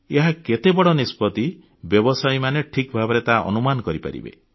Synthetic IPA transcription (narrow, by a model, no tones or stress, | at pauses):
eɦaket̪ebɔɽɔnispɔt̪i | bjɔbɔsajmaneʈʰikbʱabɔɾet̪aʔɔ̰numanɔkɔɾipa̰ɾḭbḛ